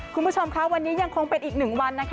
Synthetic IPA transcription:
kʰu˧nbu˥t͡ɕʰo˧mkʰa˦˥wa˧nːiː˦˥ja˧ŋkʰo˧ŋpe˧nʔiː˨˩k̚nɯ˨˩ŋwa˧nːa˦˥kʰa˦

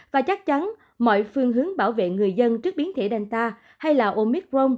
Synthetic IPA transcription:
vaː˨˩t͡ɕa˦˥k̚t͡ɕa˨˦n | mɔ̰˧˨jfɨ˧əŋɦɨ˨˦əŋɓaː˧˩wvḛ˧˨ŋɨ˨˩əjzə˧nt͡ɕɨ˦˥ək̚ɓi˨˦ənt̪ʰe˧˩ɗa˨˩jŋ̟t̪aː˧ | ha˧jlaː˨˩ʔo˧mi˦˥k̚zo˧m

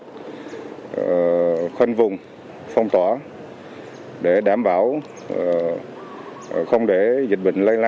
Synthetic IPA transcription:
xə˧nvʊ˨˩ŋ͡m | fə˧wŋ͡mt̪waː˧˩ | ɗe˧˩ɗaː˧˩mɓaː˧˩w | xə˧wŋ͡mɗe˧˩zi˨˩k̟̚ɓḭ˧˨ŋ̟lə˧jla˧

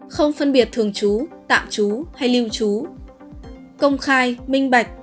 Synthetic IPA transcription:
xə˧wŋ͡mfə˧nɓi˨˩ət̚t̪ʰɨ˨˩əŋt͡ɕu˨˦t̪a̰ː˧˨mt͡ɕu˨˦ha˧jli˧wt͡ɕu˨˦ | kə˧wŋ͡mxaː˧jmï˧ŋ̟ɓa˨˩jk̟̚

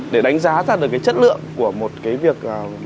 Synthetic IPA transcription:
ɗe˧˩ɗa˨˦jŋ̟zaː˨˦zaː˧˩ɗɨ˨˩əkːaː˨˦jt͡ɕə˦˥t̚lɨ̰˧˨əŋku˧˩əmo˨˩t̚kaː˨˦jvi˨˩ək̚ʔː

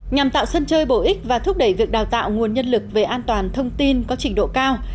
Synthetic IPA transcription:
ɲa˨˩mt̪a̰ː˧˨wsə˧nt͡ɕəː˧jɓo˧˩ʔï˦˥k̟̚vaː˨˩t̪ʰʊ˦˥k͡p̚ɗə˧˩jvi˨˩ək̚ɗaː˨˩wt̪a̰ː˧˨wŋu˨˩ənɲə˧nlɨ˨˩k̚ve˨˩ʔaː˧nt̪waː˨˩nt̪ʰə˧wŋ͡mt̪i˧nkɔ˨˦t͡ɕï˨˧˩ŋ̟ɗo̰˧˨kaː˧w

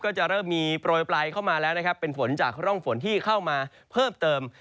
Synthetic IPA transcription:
kɔː˥˩t͡ɕa˨˩ɾɤː˥˩mːiː˧pɾoː˧jplaː˧jkʰa˥˩wmaː˧lɛː˦˥wna˥kʰa˦˥pːe˧nfo˩˦nt͡ɕaː˨˩k̚ɾɔ˥˩ŋfo˩˦nt̪ʰiː˥˩kʰa˥˩wmaː˧ | pʰɤː˥˩mt̪ɤː˧m

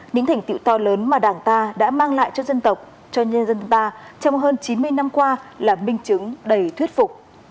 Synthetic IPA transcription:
ɲɨ̰˧˥ŋt̪ʰɛ˨˩ŋ̟t̪ḭ˧˨wt̪ɔ˧ləː˨˦nmaː˨˩ɗaː˨˩ŋt̪aː˧ɗa̰ː˧˥maː˧ŋla̰ː˧˨jt͡ɕɔ˧zə˧nt̪ə˨˩wk͡p̚ | t͡ɕɔ˧ɲ˧zə˧nt̪aː˧t͡ɕɔ˧wŋ͡mɦəː˧nt͡ɕi˨˦nmɨ˧əjna˧mkwaː˧laː˨˩mï˧ŋ̟t͡ɕɨ˨˦ŋɗə˨˩jt̪ʰwi˦˥ət̚fʊ˨˩k͡p̚

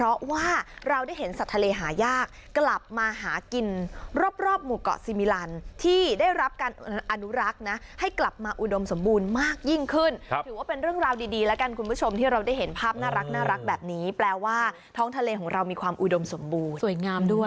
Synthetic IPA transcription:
pʰɾɔ˦˥waː˥˩ɾa˧wda˥˩jɦe˩˦nsa˨˩t̪ʰːa˧leː˧ɦaː˩˦jaː˥˩kːla˨˩p̚maː˧ɦaː˩˦ki˧nɾoː˥˩p̚ɾɔː˥˩p̚muː˨˩kɔ̰˨˩siː˧mi˧˥laː˧nt̪ʰiː˥˩daː˥˩jɾa˦˥p̚kaː˧nʔa˧nu˦˥ɾa˦˥k̚na˦˥ha˥˩jkla˨˩p̚maː˧ʔu˨˩do˧mso˩˦mbuː˧nmaː˥˩k̚ji˥˩ŋkʰɯ˥˩nʰ˦ɯː˩˦waː˥˩pe˧nɾɯ˥˩əŋɾaː˧wdiː˧diː˧lɛ˦˥ka˧nkʰu˧npʰu˦˥˩t͡ɕʰo˧mt̪ʰiː˥˩ɾa˧wdaː˥˩jɦe˩˦npʰaː˥˩p̚naː˥˩ɾa˦˥k̚naː˥˩ɾa˦˥k̚bɛː˨˩p̚niː˦˥plɛː˧waː˥˩ | t̪ʰɔː˦˥ŋt̪ʰa˧leː˧kʰɔː˩˦ŋɾa˧wmiː˧kʰwaː˧mʔu˨do˧mso˩˦mbuː˧nsu˨˩˦jŋaː˧mdu˥˩ə

